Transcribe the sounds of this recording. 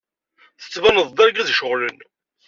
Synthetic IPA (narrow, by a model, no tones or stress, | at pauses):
θə̥t͡sːvænəðˤd̪ˤæɾɡæðʃəʁlən